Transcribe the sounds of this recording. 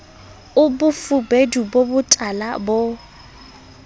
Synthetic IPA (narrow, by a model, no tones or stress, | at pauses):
ʊbʊfʊbedubobʊtʼala̰bo